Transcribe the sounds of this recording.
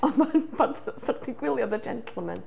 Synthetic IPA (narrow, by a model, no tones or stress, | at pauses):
ɔnmanbantʰsɔrtʰiɡwɪlˠjɔdəd͡ʒɛ̰ntʰl̩ˠmɛ̰n